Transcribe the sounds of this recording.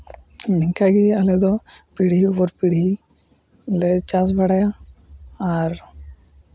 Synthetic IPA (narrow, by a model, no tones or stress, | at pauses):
niŋkaɡiɐled̪ɔpiɽ̤iʋɔɾpiɽi | let͡ʃasbɐɽaja | aɾ